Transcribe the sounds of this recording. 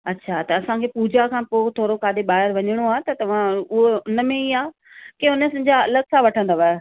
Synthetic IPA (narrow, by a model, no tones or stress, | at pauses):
ɐtːɕʰat̪ɐɐsãkʰeːpuːd͡ʑakʰãːpoːt̪ʰoːɾokaːd̪eɓaːɦɪɾʋɐɲɪɽ̃oaːɦt̪ɐt̪ɐʋ̤ãʊɦoʊnə̆mẽiaː | keʊnəsɪ̃̆d͡ʑaɐləɡsãʋɐʈʰə̃nd̪aʋae